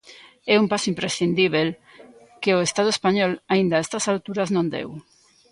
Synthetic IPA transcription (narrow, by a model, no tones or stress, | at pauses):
ɛumpasʊimpɾesind̪iβ̞el | keoest̪aðʊespaɲɔlaind̪aɛst̪asalt̪uɾaznõnd̪ḛw